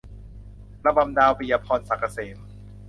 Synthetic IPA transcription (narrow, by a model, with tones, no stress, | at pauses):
pɾa˧ba˧mdaː˧wpi˨˧ja˧pʰɔː˧nsa˨˩kːa˧seː˩˦n